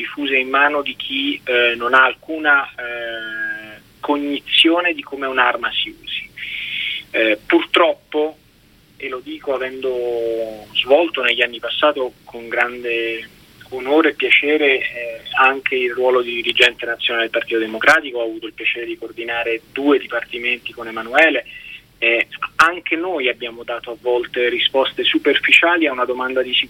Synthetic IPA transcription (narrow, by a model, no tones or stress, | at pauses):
d̪ifuːzeimːaːnod̪ik̟ʰinonaːlkuːna | koɲːit̪sːjoːned̪ikomeunarmasiṵːz̥i̥ | purt̪ɾɔpːo | elod̪iːkoavɛnd̪o | zvɔlt̪oneʎːanːipasːaːt̪okʰoŋɡɾand̪e | onoːɾeːpːjat͡ʃɛːɾe | aŋk̟ʰeilrwɔːlod̪id̪iɾid͡ʒɛnt̪enat̪sːjonaled̪elpart̪iːt̪od̪emokɾaːt̪ikoaːvuːt̪oilpjat͡ʃɛːɾed̪ikoːrd̪inaːɾed̪uːed̪ipart̪iment̪ikonemanuɛːle | aŋk̟enoːjabːjaːmod̪aːt̪oavːɔlt̪erispɔst̪esuperfit͡ʃaːliaunad̪omand̪ad̪isi